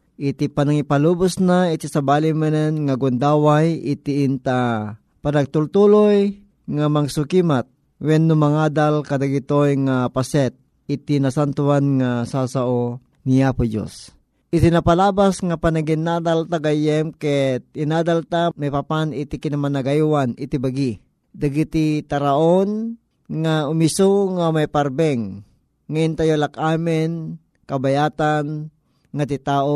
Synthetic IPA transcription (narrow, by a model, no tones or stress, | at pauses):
ʔɪt̪ipanaŋipaluːbʊsnait̪isabaːlɪmanɛnŋaɡʊnd̪aːwajɪt̪iʔɪnt̪a | panaɡ̚t̪ʊlt̪uloj | ŋamaɡsʊkimat̪̚ | wɛnːʊmaŋaːd̪alkad̪aɡit̪ojŋapasɛt̪̚ | it̪inasant̪uanŋasasaʔo | nijapʊd͡ʒo̰s | ʔɪt̪ɪnapalaːbasŋapanaɡɪnad̪alt̪aɡajɛmkɛt̪̚ɪnaːd̪alt̪amajpapanɪt̪ikɪnamanaɡajwanɪt̪ibaɡi | d̪aɡit̪it̪aɾaʔon | ŋaʊmisuŋamajpaɾbɛŋː | aɪnt̪ajolakaːmɪn | kabajaːt̪an | ŋat̪it̪aːʔo